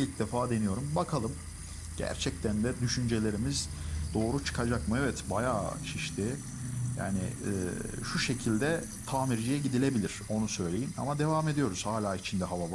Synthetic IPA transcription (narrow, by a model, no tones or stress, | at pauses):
lʲicd̪efaːd̪e̞nijo̞ɾumbakʰalˠɯm | ɟ̥æ̰ɾt͡ʃʰɛc̚t̪ʰænd̪ɛd̪yʃynd͡ʒe̞lʲe̞ɾimiz | d̪o̞ːɾut͡ʃʰɯ̥kʰad͡ʒakmɯɛvɛt̪bajaːt͡ʃʰiʃt̪ʰɪ | ja̰ːnɪ̰ | ʃuʃe̞cʰilʲd̪ɛ | t̪ʰaːmiɾd͡ʒijɛɟid̪ilʲe̞bilʲiɾ̥o̞nusø̞jlʲe̞jina̰mad̪e̞vame̞d̪ijo̞ɾuz̥haːlʲaːit͡ʃʰind̪ɛɦavava